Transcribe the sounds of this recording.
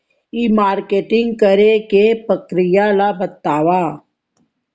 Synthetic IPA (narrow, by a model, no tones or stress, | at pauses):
iːmaːɾkeːʈɪ̃ŋɡkəɾekepɾəkɾɪjalabət̪aːʋaː